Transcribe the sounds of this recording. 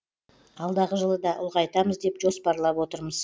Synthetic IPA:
ɑlˠd̪ɑʁəʒəlˠəd̪ɑʔʊ̰lˠʁɑjt̪ɑməzd̪e̞pʒo̞spɑɾlˠɑpwo̞t̪əɾməz̥

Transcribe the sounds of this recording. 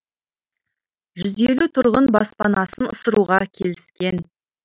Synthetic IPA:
ʒʏzelut̪ʰʊɾʁənbɑ̰spɑnɑsənʊ̰səɾuʁɑkʲʰe̞lɪskʲe̞n

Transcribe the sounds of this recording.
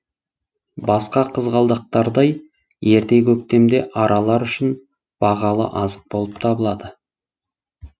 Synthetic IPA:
bɑsqɑqʰəzʁɑlˠd̪əq̚t̪ɑɾd̪ɑj | je̞ɾt̪e̞kʲʰɵk̚t̪e̞md̪e̞̰ʔɑɾʔɑlˠɑɾʏʃɪn | b̥ɑʁɑlˠə̰ʔɑzəq̚bo̞lˠəpt̪ʰɑbəlˠɑd̪ə

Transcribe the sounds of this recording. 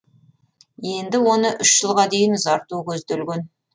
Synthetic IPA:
je̞nd̪ɪwo̞nəʔʏʃʒəlˠʁɑd̪e̞jɪnzɑɾt̪ukʲʰɵzd̪elɡʲen

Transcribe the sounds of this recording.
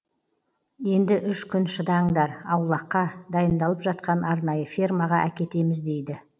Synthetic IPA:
je̞nd̪ɪʔʏʃkʲʏnʃəd̪ɑɴd̪ɑɾɑwlˠɑqːɑd̪ɑjənd̪ɑlˠəpʒɑt̪qɑnɑɾnɑjəfirmɑʁɑʔækʲe̞t̪e̞mɪzd̪e̞jd̪ɪ

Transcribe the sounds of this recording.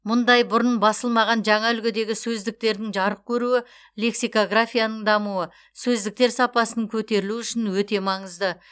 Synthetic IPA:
mʊnd̪ɑjbʊɾənbɑsəlˠmɑʁɑnʒɑɴɑʏlɡʲɪd̪e̞ɡʲɪsɵzd̪ɪk̚t̪e̞ɾd̪ɪŋʒɑɾəq̚kʲʰɵɾuɪ | le̞ksijko̞ɡrafʲijanəɴd̪ɑmuə | sɵzd̪ɪk̚t̪e̞ɾsɑpɑsənəŋkʲʰɵt̪e̞ɾɪluʏʃɪnwɵt̪e̞mɑɴəzd̪ə

